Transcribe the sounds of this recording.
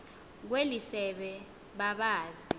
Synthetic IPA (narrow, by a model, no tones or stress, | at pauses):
k̬welisɛɓɛ | ɓaɓaːzi